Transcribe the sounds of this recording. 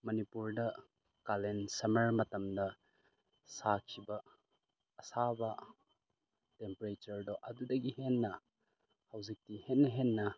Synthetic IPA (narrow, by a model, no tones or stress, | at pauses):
mɐnipuɾdɐ | kalensɐmɐɾmɐtɐmdɐ | sakʰibɐː | sabɐ | tempɐɾet͡ʃɐɾdoʔɐdudɐɡihenːɐ | hɐwzik̚tihenːɐɦenːɐ